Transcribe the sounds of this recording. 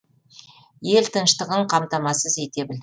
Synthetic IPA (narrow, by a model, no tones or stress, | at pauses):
je̞lt̪ʰənʃt̪əʁəɴqʰɑmt̪ɑmɑsəze̞t̪e̞bɪld̪